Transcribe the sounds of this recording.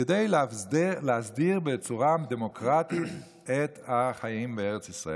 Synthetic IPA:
edeɪ | lazdiʁbɛt͡suʁamd̪ɛmokʁatɪʃ | ɛt̪ʰaχajimbeɛʁət͡sisʁae

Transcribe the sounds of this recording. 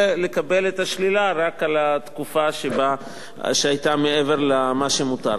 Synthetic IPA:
le̞kabelet̪aʃlilaʁakalat̪kufaʃeba | ʃeajt̪amee̞ve̞ʁlamaʃemut̪a̰ɾ

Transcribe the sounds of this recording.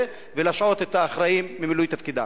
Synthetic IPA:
e | velaʃʕo̞t̪e̞t̪aːχʁaimːimilujt̪afkid̪a̰

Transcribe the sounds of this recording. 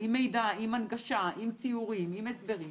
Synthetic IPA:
imejd̪aimanɡaʃaʔimt͡siuʁimimesbe̞ʁi

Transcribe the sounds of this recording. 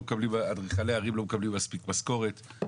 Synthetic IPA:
mkablimadʁiχaleaʁimlomekablimːaspikmasko̞ʁet̪

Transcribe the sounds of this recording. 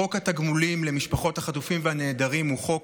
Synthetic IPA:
o̞khat̪aɡmulimle̞miʃpaχo̞thaχatufimvehane̞ːdaʁimhuχo̞k

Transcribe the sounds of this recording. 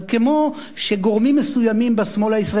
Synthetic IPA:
kemo | ʃeɡo̞ʁmimːesujamimbesmo̞laisʁa

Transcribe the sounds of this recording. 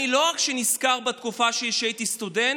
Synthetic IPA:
ilo̞ʁakʃeniskaʁbet̪kufaʃejeʃejt̪ist̪uden

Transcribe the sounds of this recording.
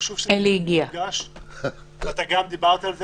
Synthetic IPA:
ʃuveliɡiaɡa | at̪aɡamd̪ibaʁt̪alze

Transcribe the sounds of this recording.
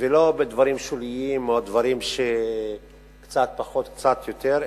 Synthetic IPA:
velo̞bed̪vaʁimʃoliimoad̪vaʁimʃe | kt͡sat̪̚paχo̞t̪k̚t͡sat̪jo̞t̪eʁ

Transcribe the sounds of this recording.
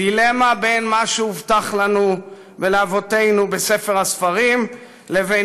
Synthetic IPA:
ilemabejnmaʃuuvt̪aχlanu | veleavo̞t̪e̞jnube̞se̞feʁhasfaʁim | le̞ve

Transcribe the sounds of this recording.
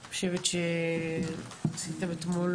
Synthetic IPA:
χoʃevet̪ʃe | asit̪abet̪mul

